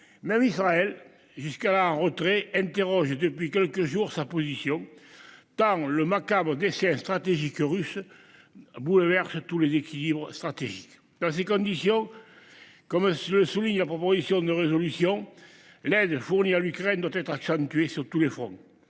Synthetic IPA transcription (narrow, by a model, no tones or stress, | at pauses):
mɛmisʁaɛl | ʒyskalaɛ̃ʁət̪χeɛ̃nt̪eʁɔʒəd̪əpɥikɛlkəʒuʁsapozisjɔ̃ŋt̪ɑ̃ŋləmakabʁəd̪esɛ̃ŋst̪χat̪eʒikʁysə | bulvɛʁsət̪ulezekilibʁəst̪χat̪eʒik | d̪̥ɑ̃s̬ekɔ̃nd̪isjɔ̃ | kɔmsləsuliɲəlapʁɔpozisjɔ̃d̪əʁezɔlysjɔ̃ŋ | lɛd̪əfuʁnialykʁɛnd̪wat̪ɛt̪χaksɑ̃nt̪yɥesyʁt̪ulefχɔ̃